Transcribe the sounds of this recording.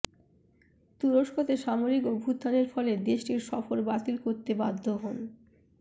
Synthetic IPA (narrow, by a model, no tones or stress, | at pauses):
t̪uɾoʃkot̪eʃamoɾikobʱud̪ʱːaneɾfɔled̪eʃʈiɾʃɔfoɾbat̪ilkoɾt̪ebad̪ʱːoɦon